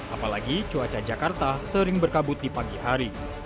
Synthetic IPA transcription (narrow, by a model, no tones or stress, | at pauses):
ʔapalaɡit͡ʃuat͡ʃad͡ʒakart̪asəɾɪŋbərkabʊt̪̚dipaɡiɦaɾi